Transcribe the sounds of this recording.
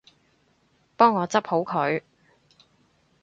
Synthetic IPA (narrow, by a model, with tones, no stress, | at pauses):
pɔː˥ŋːɔː˨˧t͡sɐ˥p̚ho˨˥wkʰɵ˨˧ɥ